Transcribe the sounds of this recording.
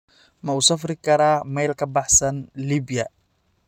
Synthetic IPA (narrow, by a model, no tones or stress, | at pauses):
mɐuːsɐfɾɪkʰɐɾaːmɛjlkʰɐbɑħsɐnliːbɪjɐ